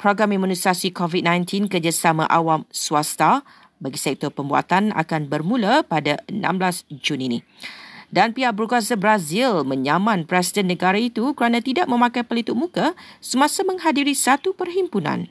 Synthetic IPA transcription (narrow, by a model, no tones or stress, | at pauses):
pɾɔɡɾamimũnisasikɔvit̚nãjnt̪ʰinkərd͡ʒasamã̰ʔawamsuast̪a | baɡisɛk̚t̪ɔrpəmbua̰t̪ana̰kanbərmũlapadaənã̰mblasd͡ʒunini | danpiaʔbəɾukas̬abɾazilmə̃ɲamãnpɾɛs̬idɛnːə̃ɡaɾait̪ukəɾanãt̪idaʔ̚mə̃mãkajpəlit̪uʔ̚mũkasəmãsamə̃ŋɦadiɾisat̪upərɦimpunã̰n